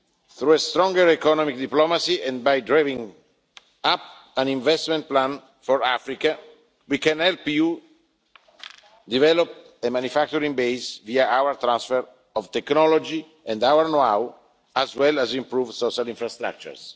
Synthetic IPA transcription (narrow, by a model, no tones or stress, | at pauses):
θɾuest̪ɾɔ̃ŋɡəɹɛkɔnɔmik̚d̪iplɔmasiɛ̃nbajdɾavĩŋ | ap̚ | ãnĩɱvɛst̪mɛ̃nt̪̚plãn | fɔɹafɾika | wikɛ̃nhɛlpju | d̪ivɛlɔp̚ | emãnjufak̚t̪uɾĩŋbejsviaawəɾt̪ɾãnsfɛɾ | ɔvt̪ɛknɔlɔd͡ʒi | ɛ̃ndawəɾnoaw | azwɛlazĩmpɾuvsɔʃalĩɱfɾast̪ɾa̰k̚t͡ʃṵɹs